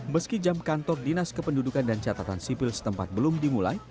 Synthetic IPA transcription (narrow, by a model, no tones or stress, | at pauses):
məskid͡ʒamkant̪ɔrdinaskəpəndudukandant͡ʃat̪at̪ansipɪlsə̥t̪əmpat̪̚bəlʊmdimula̰j